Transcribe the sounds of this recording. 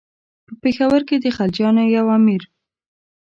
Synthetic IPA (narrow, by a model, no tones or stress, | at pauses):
pəpexawəɾked̪əxald͡ʒɑnojawɑmiɾ